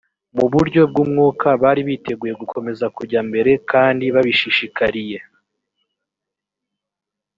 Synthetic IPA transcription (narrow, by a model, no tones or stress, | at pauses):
muβuɾɟo̞b̚ɡumŋuːkʰaβaːɾiβite̞ɡuːje̞ɡukʰo̞me̞zakuɾɟambe̞ɾe̞kaːndiβaβiʃiʃikaɾije̞